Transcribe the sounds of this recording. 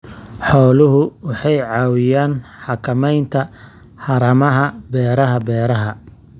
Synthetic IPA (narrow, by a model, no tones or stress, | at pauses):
ħɔːlʊɦʊwɑħɑjʕɑːwɪjaːnħɑkʰɐmɛjnt̪ʰɐ | ħɑɾɐmɐɦɐbɛːɾɐɦɐbɛːɾɐɦɐ